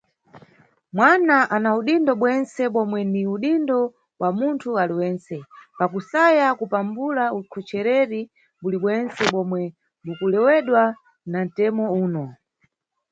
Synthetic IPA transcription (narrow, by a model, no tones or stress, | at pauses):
mwanaʔanauɗindɔɓwɛnsɛɓɔmwɛndiuɗindɔ | wamuntʰualiwɛːnsɛpakusajakupambulaukʰɔt͡ʃɛɾɛɾi | buliɓwɛnsɛɓɔmwɛ | mukulɛwɛɗwa | nan̩tɛmɔuːnɔ